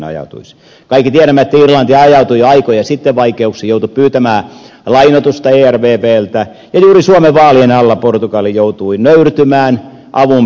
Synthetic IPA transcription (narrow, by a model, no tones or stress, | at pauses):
nɑ̰jɑ̰ut̪ṵis | kɑikːit̪iæɾæmæet̪ːirlɑnt̪iɑjɑut̪uiɑikojɑsit̪ːeʋʋɑikeuksijout̪uppyːt̪æmæː | lɑinot̪ust̪ɑeːærʋeːpeːlt̪æ | jɑjuːrisuomeʋʋɑːlienɑlːɑport̪ukɑlːijout̪uinøyrt̪ymæːn | ʔɑʋum